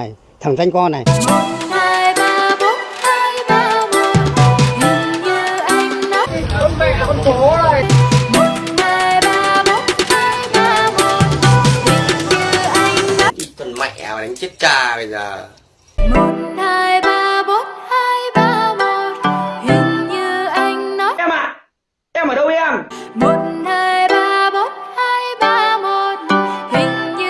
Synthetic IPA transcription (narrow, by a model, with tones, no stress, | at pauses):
j | t̪ʰə˨˩ŋza˧jŋ̟kɔː˧na˨˩jmo˨˩nhaː˧jɓaː˧mo˨˦˥t̚haː˧jɓaː˧mo˨˩t̚ɲɨ˧˩ŋɲɨ˧ʔa˧jŋ̟la˨˦˥ | mu˨˩nhaː˧jɓaː˧mo˨˦˥t̚haː˧jɓaː˧mo˨˩t̚zɨ˨˩ŋɲɨ˧ʔa˧jŋ̟nɔ˨˦ɗi˧˨˩t̪wə˧nma̰˧˨jʔa̰ː˨˩˨ɗa˨˦ŋt͡ɕi˦˥t̚t͡ɕaː˧ɓə˧jzə̰ː˨˩ | mo˨˩t̚nhaː˧jɓaː˧ɓo˨˦˥t̚haː˧jɓaː˧mo˨˩t̚hï˨˩ŋ̟ɲɨ˧ʔa˧jŋ̟nɔ˨˦ʔɛ˧mʔa̰ː˧˨ | ʔɛ˧mʔəː˨˩ɗə˧wɛ˧mmo˨˩t̚nhaː˧jɓaː˧ɓo˨˦˥t̚haː˧jɓaː˧mo˨˩t̚hï˨˩ŋ̟ɲɨ˧